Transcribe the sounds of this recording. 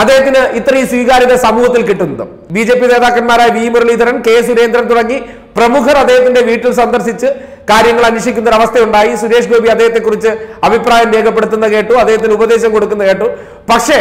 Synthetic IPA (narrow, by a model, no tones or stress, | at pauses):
ɐd̪ːeːɦɐt̪ːinɨʔit̪ːrɐiːswiːɣaːɾiɣɐsɐmuːɦɐt̪ːilkiʈːunːɐðɨ̰ | biːd͡ʑe̞ːpːine̞ːðaːkːɐnmaːɾaːjɐʋiːmuɾɐɭid̪ʱɐɾɐnke̞ːsuɾe̞ːnd̪ɾɐnt̪uɽɐŋːi | prɐmukʰɐrɐd̪ːeːɦɐt̪ːinde̞ʋiːʈːilsɐnd̪ɐrɕit͡ɕːɨ | kaːɾjɐŋːɐɭɐnuʂikʲːunːɐɾɐʋɐst̪ʰeuɳɖaːjisuɾe̞ːʂɡo̞ːbʱiɐd̪ːeːɦɐt̪ːe̞kːurit͡ɕːɨɐbʱipraːjɐmʋeːɡɐpːeɽut̪ːunːɐke̞ːʈːuɐd̪eɦɐt̪ːinubɐd̪e̞ːɕɐmko̞ɽukːunːɐkeːʈːu | pɐkʂe̞